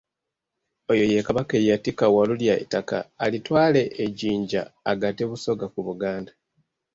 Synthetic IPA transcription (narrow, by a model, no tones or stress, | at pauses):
ojo̞je̞kaβakejatikawaluljaḭtaka̰ːlitwaːle̞ʔːɟiːɲɟaːɡateβuso̞ɡakuβuɡaːnda